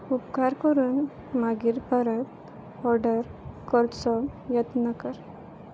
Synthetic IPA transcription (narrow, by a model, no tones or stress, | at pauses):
upkaɾkəɾuːn | maɡiɾpəɾət̪ | ɔɾɖəɾkɔɾt͡sɔjɛt̪nəkəɾ